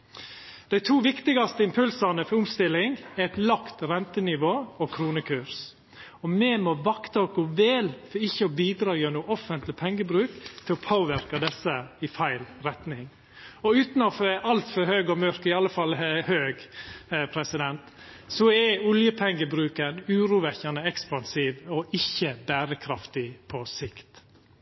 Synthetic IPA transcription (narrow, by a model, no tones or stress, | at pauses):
d̪̥æɪt̪ʰuːʋɪkt̪ɪɡɑst̪əɪmpʰʉlsɑnəfɔʊmst̪ɪlːɪŋɛɾɛt̪lɑkt̪ɾɛnt̪ənɪʋoːɔkʰɾuːnəkʰʉɾs | ɔmɛmɔʋɑkt̪ɑɔɡoʋeːlfɔɾɪçːəɔbiːd̪ɾɑːjønuːʔɔfənt̪lɪpʰɛŋːəbɾʉːkt̪ʰɪlɔpʰoːʋɪɾkɑd̪ɛsːəɪfæɪlɾɛt̪nɪŋ | ɔʉːt̪nɔfʔɑlt̪fɔɾhøːɡɔmœɾkɪɑlːəfɑlːhøːɡpʰɾɛsɪd̪ɛnt̪ | sɔɛʊljəpʰɛŋːəbɾʉːkənʉːɾuːʋɛçɑnəɛkspɑnsiːʋɔʔɪçːəbæːɾəkʰɾɑft̪ɪpʰɔsɪkt̪